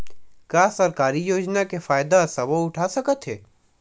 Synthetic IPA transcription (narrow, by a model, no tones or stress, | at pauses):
kaːsɐɾkaːɾijoːd͡ʒnakefaːjd̪asɐboʊʈʰasɐkət̪ɦeː